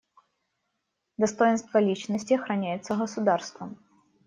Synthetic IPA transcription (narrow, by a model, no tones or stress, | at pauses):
d̪ɐst̪ojɪnst̪vɐlʲit͡ɕnəsʲtʲiɐxɾɐnʲæjɪt̪səɣɐsʊd̪arst̪vəm